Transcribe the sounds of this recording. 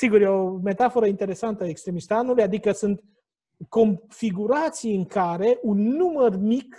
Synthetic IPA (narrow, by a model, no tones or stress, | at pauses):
siɡurjeome̞t̪afo̞ɾəint̪e̞ɾe̞sant̪əekst̪ɾe̞mist̪anulujad̪ikəsunt̪ | ko̞mfiɡuɾat̪sijɨŋkaɾe̞ʔunːumərmik